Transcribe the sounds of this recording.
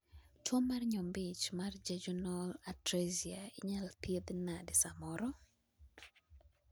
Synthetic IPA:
twomarɲɔmbɪt͡ʃmard͡ʒɛd͡ʒɔnɔlatɾeziaiɲalpied̪nadɪsamɔɾɔ

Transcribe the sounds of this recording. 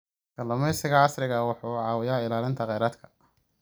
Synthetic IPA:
ɡ̥ɐlɐmɛjsɪɣɐʕɑsɾɪɣɐwɑħuːʕɑːwɪjaːɪlaːlɪnt̪ʰɐqɛjɾaːd̪kʰɐ̥

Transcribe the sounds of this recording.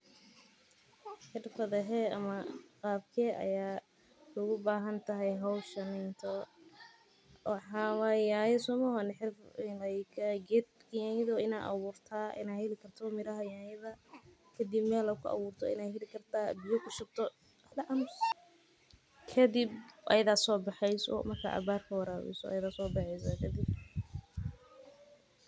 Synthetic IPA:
ħɪrfɐðɛɦɛːɐ̰mɐqɑːbkʰɛːʔɐ̰jaː | ʊɣʊbaːɦɐnt̪ʰɐɦɛjɦɐwʃɐnɛnt̪ʰɔ | wɑħɑːwajaːjsɔːmɔɦɔnħɪrfnkʰɐɡɛːd̪̚jajɪðɔɪna̰ːɐ̰βuːrt̪ʰaːʔɪ̰naːhɛlɪkʰɐrt̪ʰɔmɪɾɐɦɐjaːjɐðɐ | kʰɐd̪ibmɛːlɐkʰʊʔɐ̰βuːrt̪ʰɔ̰ɪ̰naːɦɛlɪkʰɐrt̪ʰaːbɪjɔkʰʊʃʊb̚t̪ʰɔ | hlɐʔɐmʊs | kʰɐd̪ɪb̚ʔɐ̰jɐðaːsɔːbɑħɛjsɔ̰mɐrkʰa̰ːʔɐ̰βaːrkʰɐwɑɾaːwɛ̰sɔ̰jɐðaːsɔːbɑħɛjsɐkʰɐd̪ɪb̚

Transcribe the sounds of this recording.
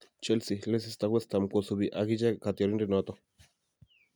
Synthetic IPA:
t͡ʃelsiles̬ist̪awʷest̪amkʷosuβiʔaɡid͡ʒakat̪iaɾinɾinot̪o

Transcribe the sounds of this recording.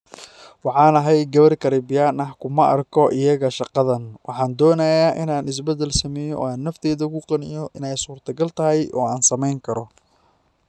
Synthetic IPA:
wɑħɑːnɐɦɛjɡɐβɐrkʰɐɾɪbɪjaːnɐhkʰʊmɐʔɐ̰rkʰɔʔɪjɐɣɐʃɑqɑðɐnwɑħɑːnd̪ɔːnɐjaʔɪnaːnɪs̬bɛd̪ɛlsɐmɛːjɔɔːaːnːɐft̪ʰɛːðɐkʊqɑnɪ̰jɔʔɪnɛjsuːrt̪ʰɐɡɐlt̪ʰɐɦɛjʔɔːaːnsɐmɛjŋkʰɐɾɔ

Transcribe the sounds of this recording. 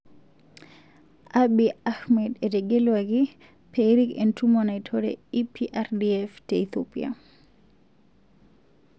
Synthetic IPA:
ʔaɓiaxmɛdɛdɛɡɛlwaɡi | pʰeɾikɛntʰumanajtʰɔɾɛ̰ipʰiʔaɾdiɛftɛit̪opia̰

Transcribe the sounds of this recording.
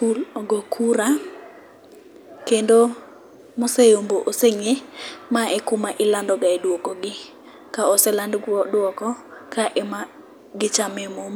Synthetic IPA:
pulɔɡokʰuɾa | kendo | mosejomboʔoseŋemaʔɛkʊmaʔɪlandɔɡaedwokoɡɪ | kaɔsɛlandɡwɔdwɔkɔkaʔɛma | ɡɪt͡ʃamɛmom

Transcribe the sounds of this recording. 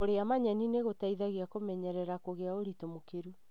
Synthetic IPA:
oɾeamaɲɛnineɣotaiðaɣiakomɛɲɛɾɛɾakoɣeaoɾitomokeɾu

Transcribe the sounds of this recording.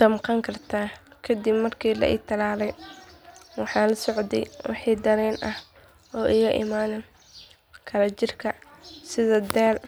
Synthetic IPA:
d̪̥ɐmqɑŋkʰɐrt̪ʰaːkʰɐd̪ibmɐrkʰiːlɐ̰ʔɪ̰ːɡt̪ʰɐlaːlɛj | wɑħɑːlɐsɔʕd̪ɛ̰jwɑ̰ħiːd̪ɐɾɛːnʔɐh | ɔːʔɪɣɐʔɪ̰maːnɛ | kʰɐlɐt͡ʃɪrkʰɐsɪðɐd̪ɛːl

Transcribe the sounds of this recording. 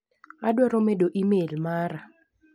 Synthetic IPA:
adwɔɾɔmedoʔimelmaɾa

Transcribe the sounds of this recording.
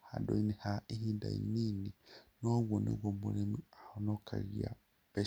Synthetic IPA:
hadoinihaihiːnda̰ḭniːninoβwonḛβwomuɾemiahonokʰa̰ɣia̰ | pe

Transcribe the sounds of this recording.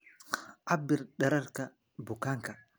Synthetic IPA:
ʔabːiɾɗɛɾaɾka | bukaŋka

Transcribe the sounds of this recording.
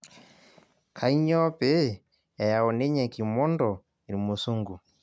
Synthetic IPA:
kʰaiɲɔpɛ | jajaɔnɛɲakimɔndɔ | iɾimusuŋɡu

